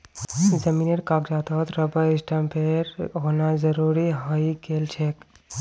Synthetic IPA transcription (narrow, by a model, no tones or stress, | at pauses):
zəmineɾkakd͡ʒat̪ət̪ɾəbəisʈəmpʰeɾɦonazəɾuɾiɦəjkelt͡ʃʰek